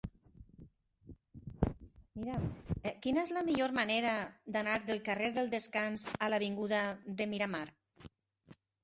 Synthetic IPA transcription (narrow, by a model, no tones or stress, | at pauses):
miɾamkinaezlamiʎoɾmaneɾad̪anaɾðəlˠkareɾðəlˠd̪əskanzalaβiŋɡuðaðəmiɾamaɾ